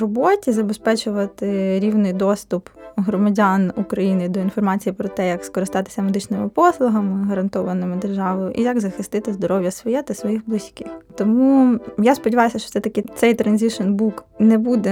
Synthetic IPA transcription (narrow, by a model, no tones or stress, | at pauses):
rɔbɔtʲizɐbespɛt͡ʃʊʋɐt̪ɪɾʲiwnɪjd̪ɔst̪ʊpɦɾɔmɐdʲɑnukɾɐjinɪd̪ɔinfɔrmɑt͡sʲijipɾɔt̪ɛjɐkskɔɾɪst̪ɑt̪ɪ̥sʲɐmed̪ɪt͡ʃnɪmɪpɔslˠʊɦɐmɪɦɐɾɐnt̪ɔʋɐnɪmɪd̪erʒɑʋɐjʊʔḭjɐɡzɐxɪst̪ɪt̪ɪzd̪ɔɾɔwʲjɐsʋɔjɛt̪ɐsʋɔjiɣblˠɪsʲkɪxt̪ɔmujaspɔdʲɪʋɑjʊsʲɐʃt͡ʃɔ̥sɛt̪ɐkɪt̪sɛjt̪ɾɐnʲzʲɪʃɔnbuknɛbud̪ɛ